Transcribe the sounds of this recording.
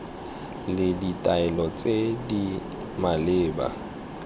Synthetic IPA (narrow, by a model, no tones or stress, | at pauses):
lɪditʼaɛlɔt͡sʼedi | malɪːba̰